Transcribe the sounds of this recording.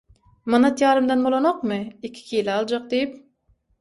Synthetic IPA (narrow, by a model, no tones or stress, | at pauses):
mɑnɑt̪ʰjɑːɾɯmd̪ɑnbolˠonoqmɨikʲʰi̥kʲʰijilɑlˠd͡ʒɑq̚d̪ejip